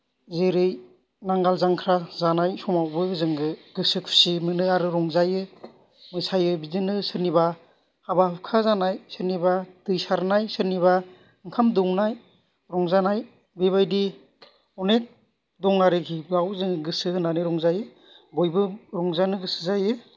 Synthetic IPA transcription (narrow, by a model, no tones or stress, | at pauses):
zeɾɯj | naŋɡalzaŋkʰɾazanajsɔmawbɯzɯŋɡɯɡ̥ɯsɯkʰu̥simɯnɯaɾɯɾɔŋzajɯ | mɯjsajɯbizɯnɯsɯɾniba | habahɯp̚kʰazanajsɯɾnibatɯjsaɾnajsɯɾniβa | ɯŋkʰamdɔŋnaj | ɾɔŋzanaj | beβajdi | ɔnet̚ | dɔŋaɾɯkʰibawzɯŋɡɯsɯhɯnanɯɾɔŋzajɯ | bɔjbɯɾɔŋzanɯɡɯsɯ̥zajɯ